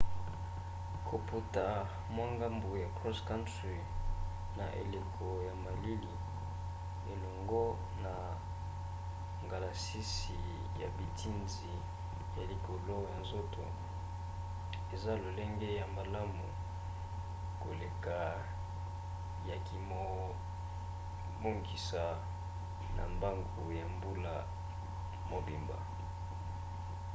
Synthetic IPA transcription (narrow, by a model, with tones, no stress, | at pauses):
kʰo˨pu˨ta˨ | mwa˦ŋɡa˦mbu˨ja˨kʁɔ˦ska˦nt | i˨ | na̰˨ʔḛ˨le˨kʰo˨ja˨ma˨li˦li˨ | e˨lo˨ŋɡo˦ | na˨ | ŋɡa˨la˨si˦si˨ | ja̰˨bi˨ti˦nzi˨ | ja˨li˨ko˨lo˦ja˨nzo˦to˨ | e˨za˦lo˨le˦ŋɡe˦ja˨ma˨la˦mṵ˨ | ko̰˨le˨ka˨ | ja˨ki˨mo˨ | bo˦ŋɡi˨sa˨ | na̰˨mba˦ŋɡu˨ja˨mbu˦la˦ | mo˨bi˨mba̰˨